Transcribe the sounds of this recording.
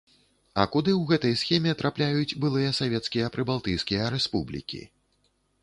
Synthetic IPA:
ɐ̰kud̪ɨwɣɛt̪ɐjsxʲɛmʲɛt̪ɾʔaplʲajut͡sd͡zʲbɨlˠɨjɐsavʲɛt̪skʲijɐpɾɨbalˠt̪ɨjskʲijɐɾɛspublʲḭkʲḭ

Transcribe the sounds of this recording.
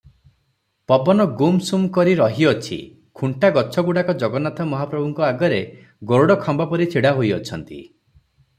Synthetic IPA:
pɔbɔnɔɡumsumkɔɾiɾɔɦiɔt͡ʃʰḭ | kʰuɳʈaɡɔt͡ʃʰɔɡuɽakɔd͡ʒɔɡɔnat̪ʰɔmɔɦapɾɔbʱuŋkɔaɡɔɾe | ɡoɾoɽɔkʰɔmbapɔɾit͡ʃʰiɽaɦojɔt͡ʃʰɔnt̪ḭ

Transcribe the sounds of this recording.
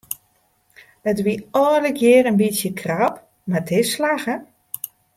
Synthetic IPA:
ətʋiɔdəkʰjɪəɾənbisjəkʰrap | matʰɪslaɣə

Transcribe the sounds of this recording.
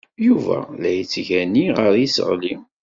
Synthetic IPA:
juvæ̰læjət͡sːʝæniʁəɾisə̰ʁli

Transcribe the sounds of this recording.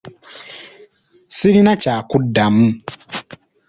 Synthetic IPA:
siɾinacaːkudːamu

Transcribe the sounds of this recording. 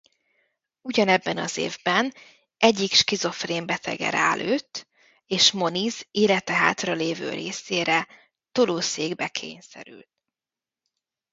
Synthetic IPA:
uɟɒnɛbːɛnɒ̰zḛːvbɛn | ʔɛɟːikʃkizo̞freːmbɛt̪ʰɛ̰ɡɛ̰ɾaløːt̪ː | eːʃmo̞nizeːlɛt̪ɛɦa̰ːt̪rɒleːvø̰ːɾeːseːɾɛ | t̪oloːseːɡbɛkʰḛːɲsɛ̰ɾy̰lt̪̚

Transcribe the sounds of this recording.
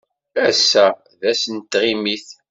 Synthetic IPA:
æsːæ | ðæsənt̪ʁimiθ

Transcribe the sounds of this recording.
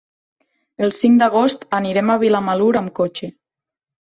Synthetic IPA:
əlˠsiŋd̪aɣ̞ost̪aniɾemaβilamaluɾamkot͡ʃe

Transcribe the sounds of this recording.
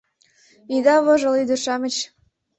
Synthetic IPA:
id̪ɑβɤʒɤ̆lid̪øʃɑmə̆t͡ɕ

